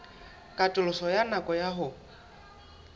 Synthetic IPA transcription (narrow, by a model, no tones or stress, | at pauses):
kʼatʼʊlʊsɔjanakʼɔjaɦʊ